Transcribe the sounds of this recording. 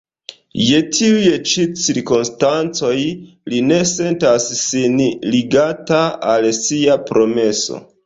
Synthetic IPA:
je̞tʰiujet͡ʃit͡siɾkonstant͡so̞j | line̞se̞ntasːinliɡataalsiapɾo̞me̞so̞̰

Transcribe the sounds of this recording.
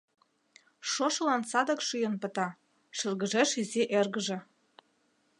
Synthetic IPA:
ʃoʃlɑnsɑd̪ɤ̆kʃyjənpə̆t̪ɑ | ʃərɣəʒeʃizeʔerɣəʒĕ

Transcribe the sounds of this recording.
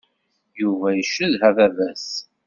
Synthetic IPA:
juvæjəʃːəðɦævævæs

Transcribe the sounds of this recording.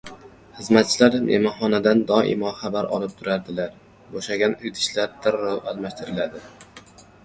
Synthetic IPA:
χɨzmat̪̚t͡ʃʰɪlaɾmʔḛmɒχɒnad̪and̪ɒʔɪ̰mɒχabaɾʔɒ̰lˠɪp̚t̪ʰʊɾaɾd̪ɪlaɾ | boʃaɡʲanʊjd̪ʰɪ̥ʃlaɾd̪̥aɾːɒwalˠmaʃt̪ʰɪɾɪlad̪ɪ

